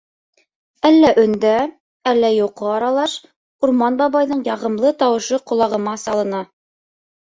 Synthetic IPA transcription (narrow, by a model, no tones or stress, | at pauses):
ælːæʔɵ̆nd̪æ | ælːæjoqɤɑɾɑlˠɑʃ | uɾmɑnbɑβɑjðɤɴjɑʁɤ̆mlˠɤt̪ɑwɤ̆ʃɤqŏlˠɑʁɤ̆mɑsɑlˠɤ̆nɑ